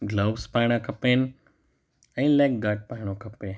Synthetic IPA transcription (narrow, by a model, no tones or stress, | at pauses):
ɡloːʋspaːɪɽ̃akɐpeːnɪ | ɛ̃ːlaːkɡaːʈ̚paːɪɽ̃okɐpe